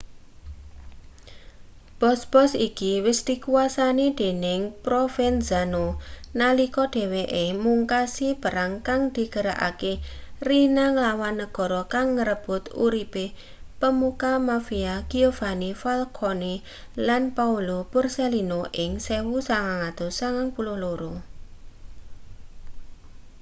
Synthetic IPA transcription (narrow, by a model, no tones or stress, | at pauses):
b̥ɔsb̥ɔsikiwɪsd̪̥i̤kuasanid̪̥e̤nɪŋpɾofɛnzanonalikɔɖ̪̥e̤weʔemuŋkasipəɾaŋkaŋd̪̥i̤ɡ̥əɾa̰ʔa̰kerinaŋəlawanːəɡ̥ɔ̤ɾɔkaŋːəɾəb̥ʊ̤t̪ṵɾipe | pəmukamafiaɡ̥iovanifalkʰoni | lanpaulopʊrselinoʔɪŋsewusaŋaŋad̪̥osaŋaŋpulʊhloɾo